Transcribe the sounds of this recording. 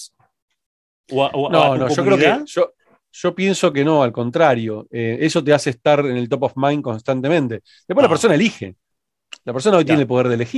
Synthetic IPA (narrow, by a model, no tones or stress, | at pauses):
nõnõʒokɾeokeaʒo | ʒ̥o̞pje̞nso̞ke̞no̞alko̞nt̪ɾaɾjo̞ee̞so̞t̪̬easeːst̪aɾenelt̪o̞p̬ofmajŋko̞nst̪ant̪e̞mẽ̞nt̪e̞ | d̪̥epwelapeɾso̞naelixe̞̰ | lapeɾso̞nao̞jt̪̬jenelpoeɾðelexi